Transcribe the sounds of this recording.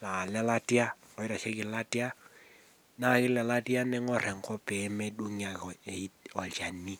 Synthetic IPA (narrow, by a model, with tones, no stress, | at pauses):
ka˨lɛ˦la˦ti˦a˦ | ɔ˨ɪ˦ɾa˨ʃɛ˦kɪ˨la˦tja˦ | na˦˨kɪ˦lɛ˨la˦tja˦nɛ˦ŋɔ˦ɾɛ˨ŋ˨kɔ˦pɛ˨˦mɛ˦ɗu˦ŋa˨kɔ˨e˨i˦tɔ˨t͡ʃa˨nːi˦